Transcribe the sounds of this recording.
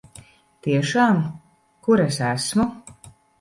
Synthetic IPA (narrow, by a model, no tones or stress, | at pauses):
t̪iɛʃaːm | kuɾɛsæsmu